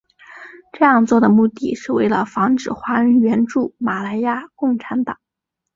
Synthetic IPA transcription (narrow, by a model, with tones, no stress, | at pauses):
ʈ͡ʂɤ˥˧jɑ˥˧ŋt͡swɔ˥˩d̪ə˩mu˥˧t̪i˥˧ʂɻ̩˥˧we˥˩ɪlə̰˩fɑ˧˥ŋʈ͡ʂɻ̩˨˩xwa˧˥y˧˥nɥɛ˧˥nʈ͡ʂu˥˩ma˨˩la˧˥ɪja˥˧kʊ˥˩ŋʈ͡ʂʰa˧˥nt̪ɑ˨˩˦ŋ